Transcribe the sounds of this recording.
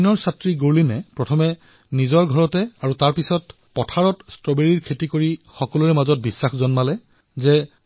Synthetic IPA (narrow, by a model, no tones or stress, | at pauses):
nɔɹsatɹiɡoɹlinɛpɹɔtʰɔmɛ | nizɔɹɡʱɔɹɔtɛaɹutaɹpisɔt | pɔtʰaɹɔtstɹɔbeɹiɹkʰetikoɹixɔkɔluɹɛmazɔt̚bisːaxzɔnmalɛ | zɛ